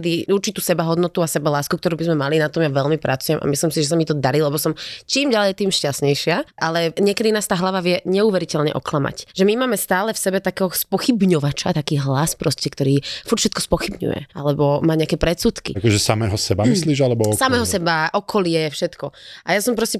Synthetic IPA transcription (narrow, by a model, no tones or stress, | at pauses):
d̪iuɾt͡ʃit̪uːsɛbaɦɔd̪nɔt̪uasɛbalaːskukt̪ɔɾuːbizmɛmalinat̪ɔmjaʋɛlmipɾat͡sujɛma̰mislimsiʒɛsamit̪ɔd̪aɾilɛbɔsɔmt͡ʃiːmɟalɛjt̪iːmʃcasɲɛjʃɪaʔalɛɲɪɛkɛd̪inaːst̪aːɦlaʋaʋɪɛɲɛuːʋɛɾicɛlɲɛ̰ʔɔklama̰cʒɛmimaːmɛst̪aːlɛfsɛbɛt̪akɛːɦɔspɔxibɲɔʋat͡ʃat̪akiːɦlaspɾɔscɛkt̪ɔɾiːfuɾt̪fʃɛt̪̚kɔ̥spɔxibɲṵjɛ̰ʔalɛbɔmaːɲɛakɛːpɾɛt̪suːt̪kḭakɔʒɛsamɛːɦɔsɛbamisliːʒalɛbɔsamɛːɦɔsɛbaʔɔkʰɔlɪɛfʃɛt̪kɔajasɔmpɾɔscɛ